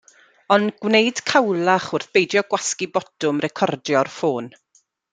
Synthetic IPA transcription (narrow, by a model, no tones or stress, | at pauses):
ɔnɡwnejd̥kʰawlˠaχʊrθb̥ejdjɔɡwaskibɔdʊmrɛkʰɔrdjɔrfoːn